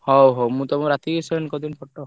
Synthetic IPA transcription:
hɔwɦowmũt̪ɔmũɾat̪isɔnkɔd̪inpʰɔʈːɔ

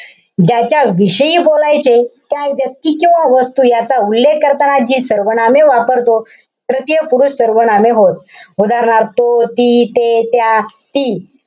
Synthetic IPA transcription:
d͡ʑat͡ɕjaʋiɕəjiːbolajt͡ɕet̪jajʋjək̚t̪iːkĩw̃ʋaʋəst̪uːjat͡saulːekːəɾt̪ənad͡ʑiːsəɾʋəɳameʋapəɾt̪o | tɾət̪jəpuɾuɕsəɾʋəɳameɦot̪̚ud̪aɾɳaɾt̪ot̪it̪et̪jat̪iː

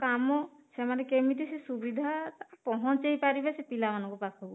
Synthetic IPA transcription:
kamɔsɛmanɛkemit̪isɛsubid̪ʱat̪apɔɦɔ̃t͡ʃeɦipaɾibɛsepilamanɔ̃ŋkɔpasɦɔbɔ

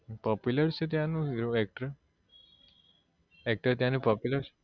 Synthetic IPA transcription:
pɔpjuləɾt͡ʃʰet̪̬jãnũɾoɛk̚ʈɾə | ɛk̚ʈəɾt̪jãnũpɔpjuləɾʰe

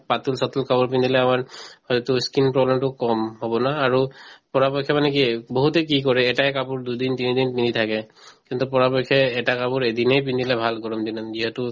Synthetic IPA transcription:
pat̪ulsɔtulkapɔɹpind̪ilɛamaɹhɔjtɔtuskinpɹɔblɛmtʊkɔmɦɔbɔnaːɹupɔɹapɔkʰːɛmanɛk̬ibɔɦutɛk̬ik̬ɔɹɛːtajkapuɹdud̪int̪inid̪inpind̪it̪ʰakɛkint̪upɔɹapɔjkʰːɛːtakapuɹed̪inejpind̪ilɛbʱalkɔɹɔmd̪inanziɦɛtu

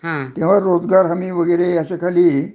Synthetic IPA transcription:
ɦãt̪ẽʋ̤aɾod͡zɡaɾɦamiːʋəɡəjɾejaɕekʰaliː

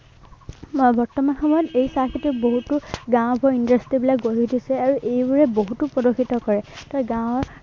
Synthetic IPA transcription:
bɔɹtɔmanxɔmɔjɔtejsaɹxituboɦutuɡãw̃baɹindastɹibilak̚ɡoɹidisɛaɹuʔejbuɹɛboɦutupɔdokxʰitɔkɔɹɛtɔɡãw̃ɔ

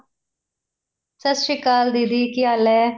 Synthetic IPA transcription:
səsʃɪkaːld̪id̪iːkɪaːlɛː

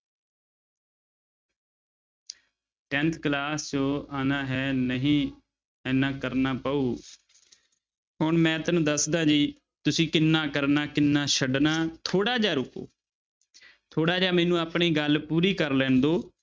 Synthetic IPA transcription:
ʈɛ̃ːnt̪ʰklaːst͡ʃoːaːnaːɦɛːnəɦĩː | ɛːnaːkəɾnaːpəːuː | ɦʊɳmɛ̃ːt̪ənũːd̪əsd̪aːd͡ʒiː | t̪ʊsĩːkɪnːaːkəɾnaːkɪnːaːʃʰəɖnaːt̪ʰoːɽaːd͡ʒaːɾʊko̰ː | t̪ʰoːɽaːd͡ʒaːmɛːnũːaːpɳiːɡəlpuːɾiːkəɾlɛ̃ːnd̪oː

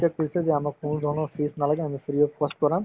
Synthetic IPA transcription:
ak̚pelt͡ɕʰed͡ʑeamaɾkonod̪ʱɔnɔɾfisnalaɡeamifiɾiepɔsʈ̚kɔɾam

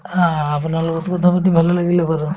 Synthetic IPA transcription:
ãapunaɾlɔɡɔt̪kɔt̪ʰapɔt̪ibʱalelaɡilepaɾɔ

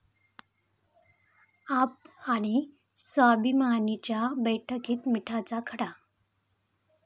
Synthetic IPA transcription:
ap̚aɽ̃i | sabimanit͡ɕjabəjʈʰəkiːt̪miʈʰat͡sakʰəɽa

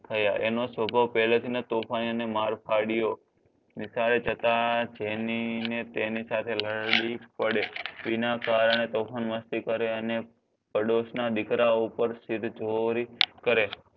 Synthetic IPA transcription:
t̪ʰəjaʔenosʋəbʱaʋpɛlat̪ʰinat̪opʰaniənemaɾpʰaɽijo | nisaɾed͡ʒət̪ad͡ʒeninet̪enisat̪ʰeləɾɽipəɽeʋinakaɾəɳ̃et̪ofʰanʋəst̪ikəɾeəne | pəɖoʃnad̪ɪkɾaupəɾsiɾd͡ʒoɾikəɾe

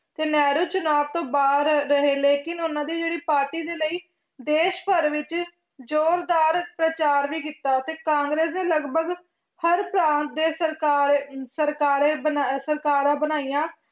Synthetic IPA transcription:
t̪eːnɛːɾuːt͡ʃʊnaːʋt̪õːbaːd̪ɾɾəɦeːleːkɪnʊnãːd̪iːd͡ʒeːɽiːpaːɾʈiːd̪eːləiː | d̪eːʃpəɾʋɪt͡ʃ | d͡ʒoːɾd̪aːɾpɾət͡ʃaːɾʋiːkiːt̪ːaːt̪eːkãːŋɡɾeːsnẽːləɡbəɡ | həɾpɾãːnt̪̚d̪eːsəɾkaːɾsəɾkaːɾẽːbənasəɾkaːɾãːbənaːijãː

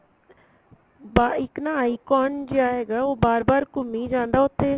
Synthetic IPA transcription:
baɪknaːaːiːkɔːnd͡ʒeaːɦɛːɡaːoːbaːɾbaːɾkʊmːiːd͡ʒãːnd̪aːʊt̪ʰːeː

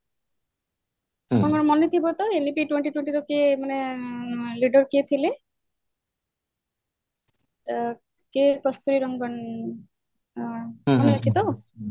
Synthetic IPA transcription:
ɾɔŋɡɔnmɔnːit̪ʰibɔt̪ɔenipiʈweɳʈiʈweɳʈit̪ɔkemane | liɖɔɾkiet̪ʰile | kekɔst̪uɾiɾɔŋɡɔn | ɔnak̪ʰit̪ɔ

